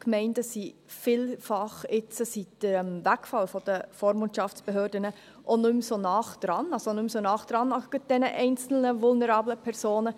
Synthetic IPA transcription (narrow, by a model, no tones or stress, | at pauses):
kmɛɪndəsifiːlfɑχɪt͡səsitd̥əɾmvækfɑlfɔd̥əfoːɾmʊntʃɑft͡sb̥eɦøːɾdənə | ʔonʏmsonɑːχd̥ɾɑnɑlsonʉmsonɑːχd̥ɾɑnɑɡəd̥ɛnəʔɛɪnt͡sl̩nəvʊlnəɾɑːbləpʰɛɾsoːnə